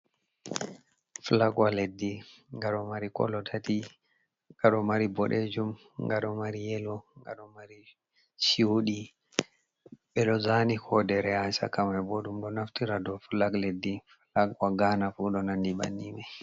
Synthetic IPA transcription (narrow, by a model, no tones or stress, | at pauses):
flaɡwaledːiŋɡaɗɔmaɾikɔ̰lɔtʰati | ŋɡaɗɔmaɾibɔɗed͡ʒum | ŋɡaɗɔmaɾijɛlɔŋɡa̰ɗɔmaɾi | ʃiwɗi | ɓɛɗɔzanikʰɔdɛɾɛasa̰kamajboɗumɗɔnaftiɾadɔflaɡledːiflaɡwaɡanafuɗɔnandiɓa̰nːimɛ